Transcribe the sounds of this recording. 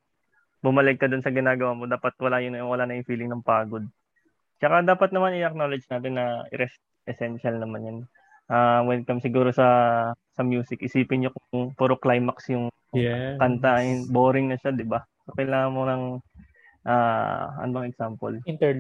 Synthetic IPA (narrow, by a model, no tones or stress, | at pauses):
bʊmɐlɛɡ̚kːɐd̪ʊnsɐɡɪnaːɡɐwamod̪aːpɐt̪̚wɐlajʊnjwɐlaːnɐjʊŋfiːlɪŋnɐŋpaːɡo̞d̪̚ | t͡ʃɐkad̪aːpɐt̪nɐmanʔɪjɐk̚nolɐd͡ʒnaːt̪ɪnːɐʔɪ̰ɾɛst̪̚ | ʔɛsɛnʃɐlnɐmanjɐn | ʔaːwɛn̚kɐmsɪɡuːɾosɐsɐmjuːsɪkʔɪsiːpɪnɲokʊŋpoɾoklajmɐksjʊŋ | kɐnt̪aɪnboːɾɪŋnɐʃad̪ɪbasokɐjlaːŋɐnmonɐŋ | ʔa̰ːɐ̰nmɐŋaʔɛɡsaːmpo̰lt̪